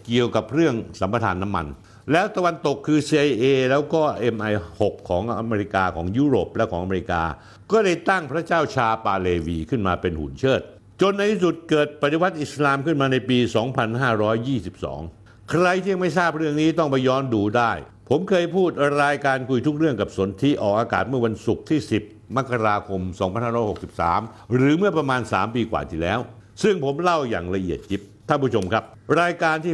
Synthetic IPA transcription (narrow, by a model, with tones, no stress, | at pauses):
ki˨˩əwka˨˩p̚ɾɯ˥˩əŋsa˩˦mpa˧t̪ʰa̰ː˩˦nːa˦˥mːa̰˧n | lɛː˦˥wt̪a˧wa˧nt̪o˨˩kʰːɯː˧siː˧ʔa˧jʔeː˧lɛː˦˥wkɔː˥˩ʔe˧mʔa˧jho˨˩kʰːɔː˩˦ŋʔa̰˧meː˧ɾi˦˥kaː˧kʰɔː˩˦ŋjuː˦˥˩ɾo̰ː˨˩p̚lɛ˦˥wkʰɔː˩˦ŋa˧me˧i˧˥ka̰ː˧ | kɔː˥˩da˥˩jt̪a˥˩ŋpʰɾa˦˥t͡ɕaː˥˩wt͡ɕʰaː˧paː˧leː˧wiː˧kʰɯ˥˩nmaː˧pe˧nhṵ˩˦nt͡ɕʰɤː˥˩t̪̚ | t͡ɕo˧nːa˧t̪ʰsu˨˩t̪̚kɤː˨˩t̪̚pa˨˩t̪i˧wa˦˥t̪̚ʔi˨˩slaː˧mkʰɯ˥˩nmaː˧na˧jpiː˧sɔː˩˦ŋpʰa˧nhaː˥˩ɾɔː˦˥jːiː˥˩si˨˩p̚sɔ̰ː˩˦ŋ | kʰɾa˧jt̪ʰiː˥˩ja˧ma˥˩jsaː˥˩p̚ɾɯ˥˩əŋniː˦˥t̪ɔ˥˩ŋpa˧jɔː˦˥nduː˧daː˥˩j | pʰo˩˦mkʰɤː˧jpʰuː˥˩t̪̚ɾaː˧jkaː˧nkʰu˧jt̪ʰu˦˥k̚ɾɯ˥˩əŋka˨˩p̚so˩˦nt̪ʰi˦˥ʔɔː˨˩k̚aː˧ka̰ː˨˩t̪̚mɯ˥˩wa˧nsu˨˩k̚t̪ʰiː˥˩si˨˩p̚ma˦˥kʰːa˧ɾaː˧kʰo˧msɔː˩˦ŋpʰa˧nhaː˥˩ɔː˦˥jho˨˩k̚si˨˩p̚sa̰ː˩˦mɾɯː˩˦mɯ˥˩ɐpɾa˧maː˧nsa̰ː˩˦mpiː˧kwa̰ː˨˩t̪ʰi˨˩lɛː˦˥wsɯ˥˩ŋpʰo˩˦mla˥˩wja̰ː˨˩ŋla˧ʔi˨˩ət̪̚t͡ɕi˦˥p̚t̪ʰa˥˩npʰuː˥˩o˧mkʰa˦˥p̚ɾaː˧jkaː˧nt̪ʰiː˥˩